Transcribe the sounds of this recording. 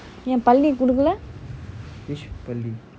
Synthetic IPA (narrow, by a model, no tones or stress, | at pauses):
ɛ̃ːpɐlːikʊɽɯk̬ːɐlɛ | pɐlːi